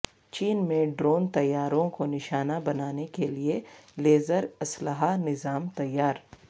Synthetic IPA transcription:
t͡ʃiːnmẽɖɾoːnt̪ɐjːaːɾõkonɪʃaːnabɐnaːnekelieleːzəɾɐsləɦanɪzaːmt̪ɐjːaːɾ

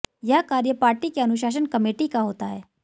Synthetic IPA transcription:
jɐkaːɾjəpaːɾʈikeɐnʊʃ̬aːʃ̬ənkɐmeːʈikaɦoːt̪aɦɛː

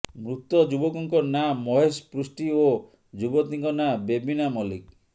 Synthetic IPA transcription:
mɾut̪ɔd͡ʒubɔkɔŋkɔnamɔɦespɾusʈio | d͡ʒubɔt̪iŋkɔnabebinamɔlik

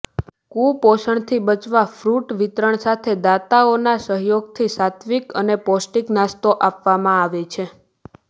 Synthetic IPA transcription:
kuposəɳt̪ʰibət͡ʃʋafɾuʈʋit̪ɾəɳsat̪ʰed̪at̪aonasəɦjoɡ̚t̪ʰisat̪ʰʋikənepɔsʈiknast̪oʔapʋamãaʋet͡ʃʰe

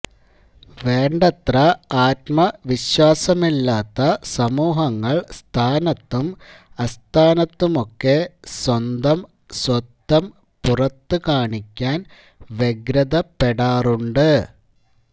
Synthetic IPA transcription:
ʋe̞ːɳɖɐt̪rɐaːt̪mɐʋiɕwaːsɐmilːaːt̪ːɐsɐmuːɦɐŋːɐɭst̪ʰaːnɐt̪ːumɐst̪ʰaːnɐt̪ːumo̞kːe̞swɐnd̪ɐm | swɐt̪ːɐm | purɐt̪ːɨkaːɳikʲːaːn | ʋeɡɾɐðɐpeɽaːruɳɖɨ

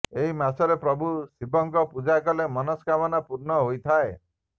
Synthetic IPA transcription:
eɦimasɔɾepɾɔbʱusibɔŋkɔpud͡ʒakɔlemɔnɔskabɔnapuɾnɔɦojt̪ʰae

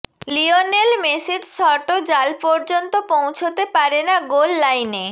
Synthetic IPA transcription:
lionelmesid͡ʑsɔʈod͡ʑalpɔɾd͡ʑont̪opõw̃t͡ɕʰot̪epaɾenaɡolːajne

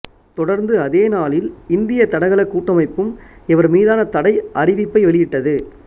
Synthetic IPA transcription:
t̪ɔɽɐɾnd̪ɯɐðeːnaːlɪlɪnd̪ɪjɐt̪ːɐɽɐɪɣɐɭɐkːuːʈːɐmɐɪpːɯmɛʋɐɾmiːðaːnɐt̪ɐɽɐɪʔɐrɪʋɪpːɐɪʋɛɭɪjɪʈːɐðɯ

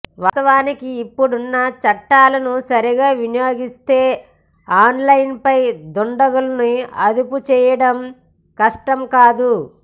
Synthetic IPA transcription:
ʋɐt̪ɐʋaːnikiːpːuɽunːɐt͡ʃɐʈːaːlɐnusɐɾiɡaːʋinijoːɡist̪eː | aːnlɐjnpɐjd̪ɔɳɖɐɡulɐniɐd̪uput͡ʃɛːjɐɽɐm | kɐʂʈɐmkaːd̪u

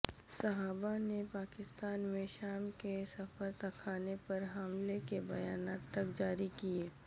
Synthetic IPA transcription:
sɐɦaːbanepaːkɪst̪aːnmẽʃaːmkesɐfəɾt̪ɐkʰaːnepɐɾɦɐmlekebɐjaːnaːt̪ːɐkd͡ʒaːɾikieː

